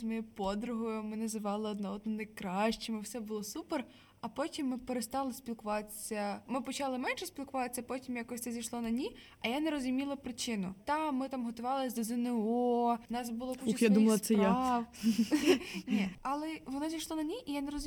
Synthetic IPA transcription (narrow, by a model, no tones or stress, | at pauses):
mɪpɔd̪ɾʊɦɔjʊmɪnɐzɪʋɑlˠɪɔd̪̚nɔɔd̪nɔnɐjkɾɑʃt͡ʃɪmɪwsɛbʊlˠɔsuper | ɐpɔtʲimːɪpeɾest̪ɑlˠɪsʲpʲilˠkʊʋɑt̪e̥sʲːɐmɪpɔt͡ʃɑlˠɪmɛnʃɛsʲpʲilˠkʊʋɑt̪esʲːɐpɔtʲimjakɔsʲt̪ɛzʲijʃlˠɔnɐnʲi | ɐjaneɾɔzʊmʲilˠɐpɾɪt͡ʃɪnʊt̪ɑmɪt̪ɑmɦɔt̪ʊʋɑlˠɪsʲd̪ɔzɪnɪɔnɑsbʊlˠɔkuxjad̪umɐlˠɐsɛjaɑw | nʲiɐlˠɛʋɔnɔzʲijʃlˠɔnɐnʲiʔijaneɾɔzʊ